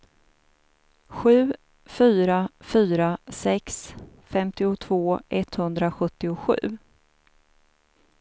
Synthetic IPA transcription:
ɧʉ̟ː | fyːɾafyːɾasɛks | fɛmt̪ɪʊt̪ʰvoːɛt̪hɵnd̪ɾaɧɵt̪ːɪʊɧʉ̟ː

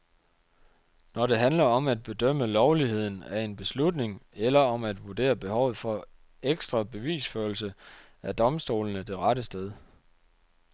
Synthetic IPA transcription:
nɒɾ̥e̝ɦænlɐɒ̽mæd̥̚b̥e̝d̥øm̰əlɒʊliɦe̝ð̞̰ˠn̩æe̝nb̥e̝slud̥ne̝ŋelɐɒ̽mæd̥ʋuɐd̥e̝̰ːɐb̥e̝hɒ̽ʊð̩ˠfɒ̽ | eɡ̥sd̥ʁɐb̥e̝ʋḭːsføɐlsə | æd̥ɒ̽msd̥o̝̰ːlənəd̥e̝ʁɑ̈ɾəsd̥eð̞ˠ

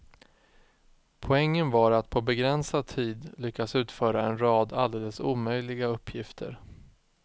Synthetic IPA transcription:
pʰɔɛŋːənvaɾat̪pʰɔbɛɡɾɛnsad̪̚t̪ʰiːd̪lʏkːasʉ̟ːt̪fœːɾaɛnɾɑːd̪ald̪eːləsṵːmœjlɪɡaɵpːjɪft̪ʰə̰ɾ

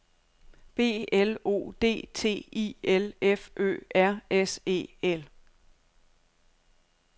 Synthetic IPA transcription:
b̥e̝̰ːelo̝̰ːd̥e̝̰ːt͡sʰe̝̰ːḭːelefʔø̰ːʔæɐ̰ese̝̰ːel

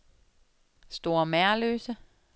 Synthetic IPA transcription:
sd̥o̝̰ːɐmæɐlø̰ːsə

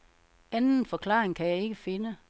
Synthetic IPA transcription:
ænn̩fɒ̽kʰlɑ̰̈ːʁeŋkʰæjɑ̈ɪe̝ɡ̥əfe̝nə

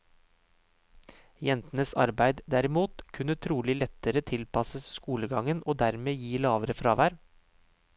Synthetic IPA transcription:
jɛnt̪nəsɑ̰ɾbæɪd̪d̪æɾɪmuːt̪kʰʉnːət̪ʰɾuːlɪlɛt̪əɾət̪ʰɪlpɑsəsskuːləɡɑŋənʔoːd̪æɾmeːjiːlɑːʋəɾəfɾɑːʋæːɾ

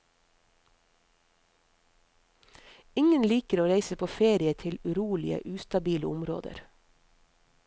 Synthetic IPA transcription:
ɪŋənliːkəɾoːɾæɪsəpʰoːfeːɾɪət̪ʰɪlʉɾuːlɪ̰ə̰ʔʉːst̪ɑbiːləʊmɾo̰ːd̪ə̰ɾ

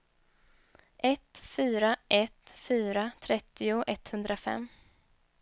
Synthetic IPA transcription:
ʔɛt̪fyːɾaʔɛt̪fyːɾat̪ʰɾɛt̪ːɪʊʔɛt̪hɵnd̪ɾafɛ̰mː

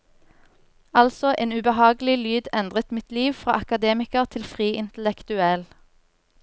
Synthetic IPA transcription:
ɑlsɔʔeːnʉbəhɑːɡl̩ɪlyːd̪ɛnd̪ʁət̪mɪt̪liːʋfʁɑ̰ːʔɑkɑd̪eːmɪkəʁt̪ʰɪlfʁiːʔɪnt̪əlɛkt̪ʉɛl

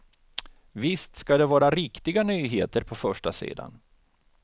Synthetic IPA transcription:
vɪst̪skad̪ɛvɑːɾaɾɪkt̪ɪɡanyːɦeːt̪əɾpʰɔfœʂʈasḭːd̪a̰n

